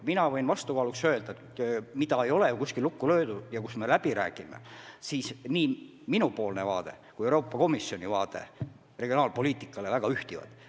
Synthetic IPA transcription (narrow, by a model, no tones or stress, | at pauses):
minɑvɤ̞jnvɑst̪ukɑːluksø̞ːld̪ɑe | mid̪ɑejo̞lekuskilːukːulø̞ːd̪̥ujɑkusme̞læb̥iɾæ̰ːɡ̥imḛsiːsniː | minupo̞ːlnevɑ̰ːd̪e̞̰ | kujewɾo̞ːpːˑɑko̞misːjo̞nʲivɑːt̪e̞̰ | re̞ɡ̥io̞nɑːlpo̞lʲiːt̪ːˑikːˑɑle̞væɡ̥ɑyht̪ivɑ̰d̪̥